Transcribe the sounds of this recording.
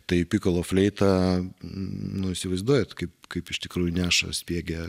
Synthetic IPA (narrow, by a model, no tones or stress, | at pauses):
t̪ɐɪpʲiːkɐlˠoːfʲlʲɛɪt̪ɐ | nʊɪʃsʲɪʋɐɪzd̪uɔjɛt̪kɐɪpkɐɪpɪʃt̪ʲɪkɾuːjʊnʲæːʃɐ̰sʲpʲiɛɡʲɛ